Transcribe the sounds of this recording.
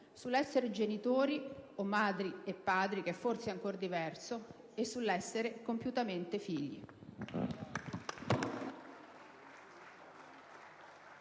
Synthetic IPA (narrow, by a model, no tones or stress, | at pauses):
sulːɛsːeɾed͡ʒenit̪oːɾiomːaːd̪ɾiepːaːd̪ɾik̟eɛfːorseaŋkord̪ivɛrso | esːulːɛsːeɾekompjut̪ament̪efiʎːḭ